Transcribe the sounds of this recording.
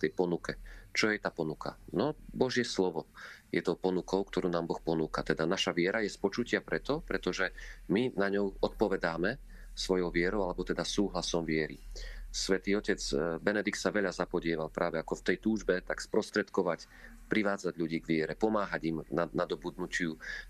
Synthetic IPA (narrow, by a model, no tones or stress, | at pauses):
t̪ɛjpɔnukɛt͡ʃɔjɛt̪aːpɔnukʰa̰nɔbɔʒɪɛslɔʋɔjɛt̪ɔʊpɔnukʰɔʊkt̪ɔɾuːnaːmbɔxpɔnuːkat̪ɛd̪anaʃaʋɪɛɾajɛspɔt͡ʃucɪapɾɛt̪ɔpɾɛt̪ɔʒɛminaɲɔʊɔt̪̚pɔʋɛd̪aːmɛ | sʋɔjɔʊʋɪɛɾɔʊalɛbɔt̪ɛd̪asuːɦlasɔmʋɪɛɾḭsʋɛt̪iːɔcɛt͡sbɛnɛd̪ikt̪saʋɛʎazapɔɟɪɛʋalpɾʔaːʋɛakɔft̪ɛjt̪uːʒbɛt̪akspɾɔst̪ɾɛt̪kɔʋac | pɾiʋaːd͡zaɟʎuɟiːɡʋɪɛɾɛpɔmaːɦaɟimnanad̪ɔbud̪nucɪu